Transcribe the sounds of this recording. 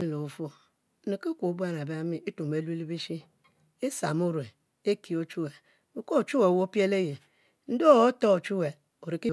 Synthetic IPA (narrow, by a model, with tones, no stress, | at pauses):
lo˨fo˦ | ne˨ke˦kʷo˨˦bu˦a˦na˨ba˦mi˨i˦tu˨m˨e˨li˦li˦bi˦ʃi˦ | e˦sa˨m˦u˦ɾwe˨ | e˦ki˨o˦t͡ʃu˦we˨ | u˨ko˦o˨t͡ʃu˦we˨wo˦pi˦e˦le˦je˨ | n̩˦do˦˨o˦to˦o˨t͡ʃu˦we˨ | o˨ɾi˨ki˦